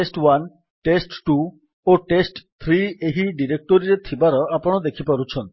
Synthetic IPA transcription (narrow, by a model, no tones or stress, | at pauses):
esʈwan | ʈesʈʈu | oʈesʈt̪ʰɾieɦiɖiɾek̚ʈɔɾiɾet̪ʰibaɾɔapɔɽ̃ɔd̪ekʰipaɾut͡ʃʰɔn